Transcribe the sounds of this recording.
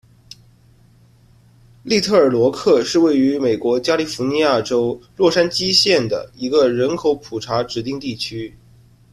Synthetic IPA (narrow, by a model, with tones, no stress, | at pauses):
li˥˧t̪ʰɤ˥˩ə˞˨˩lwɔ˧˥kʰɤ˥˧ʂɻ̩˥˧we˥˩ɪy˧˥me˨˩ɪkwɔ˧˥t͡ɕja˥li˨˩fu˧˥ni˧˥ja˥˩ʈ͡ʂo˥ʊlwɔ˥˩ʂa˥nt͡ɕi˥ɕjɛ˥˩nd̪ə̰˩i˧˥ɡə˧ɻə˧˥nkʰo˧˥ʊpʰu˨˩ʈ͡ʂʰa˧˥ʈ͡ʂɻ̩˨˩t̪i˥˧ŋt̪i˥˩t͡ɕʰy˥